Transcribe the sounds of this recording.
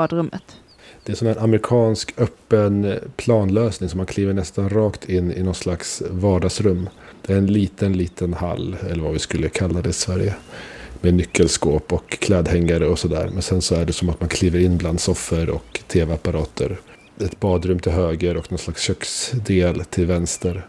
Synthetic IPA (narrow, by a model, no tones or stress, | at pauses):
d̪ɾɵmːə̰t̪ | d̪̥ɛæʂɔmɛnʔamɾɪkʰɑːnskœpːənpʰlɑːnløːsnɪŋsɔmːankʰliːvəɳɛst̪anɾɑːkt̪ʰɪnːɪ̰nɔnslaksvɑːɖɑɡsɾɵmːd̪̥ɛæɾɛnliːt̪ənliːt̪ʰənha̰lːɛlːəɾvavɪskɵlːəkʰalːad̪ɛɪsvæɾjəmeːnʏkʰːəlskoːpɔkʰːlɛːd̪hɛŋːaɾəɔsɔd̪æ̰ːɾmɛnsɛnsɔæɖɛsɔmat̪mankʰliːvəɾɪnːbland̪sɔfːəɾɔ̰kt̪ʰeːvɛapːaɾɑːt̪ʰə̰ɾ | ɛt̪bɑːd̪ɾɵmt̪ʰɪlɦøːɡəɾɔknɔnslaksɕœksd̪eːlt̪ʰɪlvɛnst̪əɾ